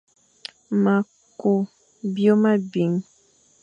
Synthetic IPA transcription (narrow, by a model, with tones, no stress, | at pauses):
ma˨ | ko˨ | bjo˦ma˦bi˨ŋ